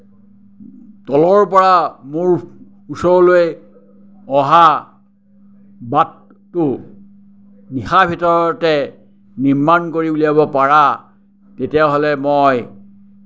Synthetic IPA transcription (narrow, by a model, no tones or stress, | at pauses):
tɔlɔɹp̬ɔɹamʊɹ | usɔɹɔloj | ɔɦa | batː | ʊ | nixabʱitɔɹɔtɛ | niɹmankoɹiuliabɔpaɹa | tetijaɦolɛmoj